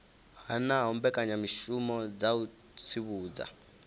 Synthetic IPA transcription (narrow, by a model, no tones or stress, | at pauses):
hanaɦɔmbɛkʼaɲamiʃumɔd͡zau | t͡sʰiβuːd͡za̰